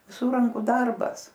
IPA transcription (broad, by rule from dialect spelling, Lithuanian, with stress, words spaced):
ʋʲɪˈsʊr ˈrɐŋkʊ ˈdɐrbɐs